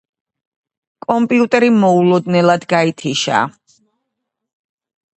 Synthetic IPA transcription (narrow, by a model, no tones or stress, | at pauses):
kʼɔmpʼiut̪ʼɛɾimɔulˠɔd̪nɛlˠad̪ɡait̪ʰiʃa̰ː